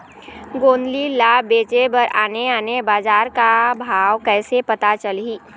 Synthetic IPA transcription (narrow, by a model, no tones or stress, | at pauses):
ɡoːnlilaːbeːt͡ʃebɐɾaːneaːnebaːzaːɾkabʱaːwkɛːsepɐt̪at͡ʃəlɦiː